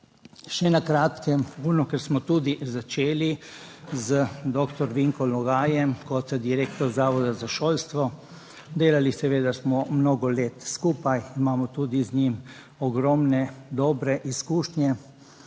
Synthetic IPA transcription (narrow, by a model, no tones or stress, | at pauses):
ʃɛnakɾaːt̪kɛmuːnukɛɾsmɔt̪uːd̪izat͡ʃeːli | zəd̪ɔːkt̪ɔɾʋiŋkɔlɔɡaːjɛmkɔt̪d̪iɾeːkt̪ɔɾzaːʋɔd̪azaʃoːlst̪ʋɔ | d̪eːlalisɛʋeːd̪asmɔmnoːɡɔleːt̪skuːpajimaːmɔt̪ud̪izɲim | ɔɡɾɔmnɛd̪ɔːbɾɛʔiskuːʃɲɛ